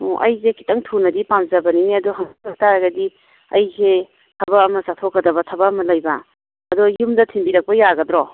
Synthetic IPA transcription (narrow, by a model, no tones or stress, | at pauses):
oʔɐ̰jzekʰi̥tɐŋtʰunɐdipamzɐbɐnineɐduɦɐŋataɾɐɡɐdi | ɐjsʰe | tʰɐbɐːmɐsatʰokːɐdɐβɐtʰɐbɐːmɐlɐjbɐ | ɐdojumdɐtʰimbiɾɐk̚pɐjaɡɐdɾo